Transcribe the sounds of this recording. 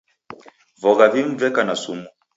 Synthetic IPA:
vɔɣaviɱ̩vɛkanasumu

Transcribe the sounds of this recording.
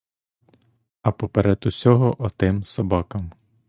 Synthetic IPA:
ɐpɔpeɾɛt̪ʊsʲɔɦɔʔɔt̪ɪmsɔbakɐm

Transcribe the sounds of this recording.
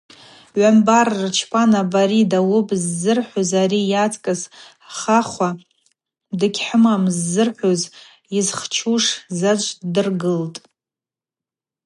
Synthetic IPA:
ʕʷambarːt͡ʃʰpʰʼanabaɾidawʊpʼzːɨrħʷozaɾijat͡sʰʼkʼɨs | χaχʷa | dɨɡʲħɨmamzːɨrħʷoz | izχt͡ʃʰuʂzat͡ʃʷʰʼdɨrɡɨltʼ

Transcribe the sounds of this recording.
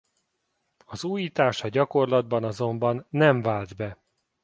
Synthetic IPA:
ɒzuːjiːt̪aːʃɒɟɒko̞rlɒd̪̚bɒnɒzo̞mbɒnːɛɱvaːld̪bɛ

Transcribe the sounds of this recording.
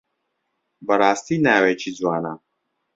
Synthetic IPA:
bɐɾaːst̪inæːwet͡ʃʰid͡zwaːna̰

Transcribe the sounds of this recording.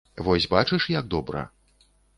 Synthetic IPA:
vɔsʲbat͡ʂɨʂjɐɡd̪ɔbɾɐ̰

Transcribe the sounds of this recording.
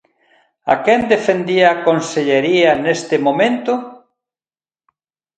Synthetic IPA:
a̰kɛnd̪efend̪iaːkonseʎeɾiɐnest̪ɪmomẽnt̪ʊ

